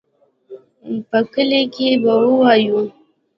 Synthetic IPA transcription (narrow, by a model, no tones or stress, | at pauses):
pəkəlekebawəwaju